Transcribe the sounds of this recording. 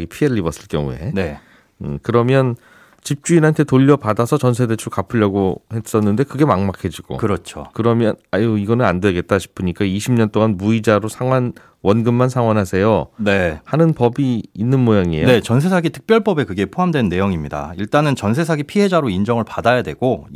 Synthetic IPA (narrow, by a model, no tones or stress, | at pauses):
ɡipʰiɦeɾɯɭːibʌs͈ɯɭkjʌ̰ŋṵe̞̰ne | ɯkɯɾʌmjʌn | t͡ɕip̚t͡ɕ͈uinɦantʰe̞toʎːʌpadasʰʌt͡ɕʌnsʰe̞det͡ɕʰukapʰɯʎːaɡohe̞s͈ʌnːɯnde̞kɯɡe̞maŋmakʰed͡ʑiɡ̥o̰kɯɾʌt͡ɕʰo̰kɯɾʌmjʌnajoiɡʌnɯnandweɡe̞t̚t͈aɕʰi̥pʰɯɲik͈aiɕʰimɲʌnt͈oŋanmuid͡ʑaɾosʰaŋɦwan | wʌnɡɯmːansʰaŋwanɦasʰe̞jone̞hanɯnpʌbiːnːɯnmojaŋiejoet͡ɕʌns̬ʰe̞sʰaɡitʰɯ̥k̚pjʌɭp͈ʌbe̞kɯɡe̞pʰoɦamdwe̞nːe̞joŋimɲida̰iɭt͈anɯnt͡ɕʌns̬ʰe̞sʰaɡipʰiɦe̞d͡ʑaɾoind͡ʑʌŋɯɭpadajadwe̞̰ɡ̥o